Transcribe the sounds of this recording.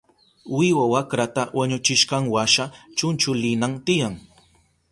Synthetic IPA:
wɪwawakɾat̪awaɲʊt͡ʃɪʃqɑŋwaʃat͡ʃʊnt͡ʃʊlɪnaŋt̪ɪjaŋ

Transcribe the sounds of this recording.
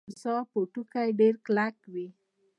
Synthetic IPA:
sɑpoʈukajɖeɾklakwi

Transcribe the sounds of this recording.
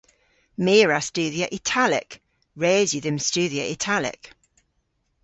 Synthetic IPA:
mɪːɹastʉːðiəʔɪtʰalɪ̰k | ɹɛːzjəðɪmst͡ʃʉːðiəʔɪtʰalɪ̰k

